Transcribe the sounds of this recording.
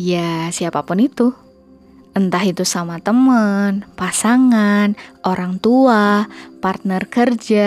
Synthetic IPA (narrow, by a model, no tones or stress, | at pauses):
jasiapapʊnit̪u | ʔənt̪aɦit̪usamat̪əmənpasaŋanʔoɾaŋt̪uapart̪̚nərkərd͡ʒa